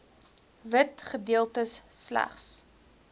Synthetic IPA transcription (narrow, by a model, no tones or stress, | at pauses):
vətχədiəlˠtəsːlæ̰χs